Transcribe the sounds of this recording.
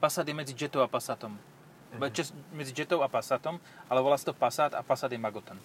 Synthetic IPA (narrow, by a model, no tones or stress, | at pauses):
pasaːd̪jɛmɛd͡zid͡ʒɛt̪ɔʊapasaːt̪ɔm | ɛt͡ʃɛsmɛd͡zid͡ʒɛt̪ɔʊapasaːt̪ɔm | ʔalɛʋɔlaːst̪ɔpasaːt̪a̰pasaːd̪jɛmaɡɔt̪ɛn